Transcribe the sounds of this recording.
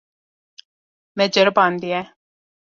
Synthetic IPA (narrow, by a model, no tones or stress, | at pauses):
mɛ̃d͡ʒəɾbãːnd̪iɛ̃ː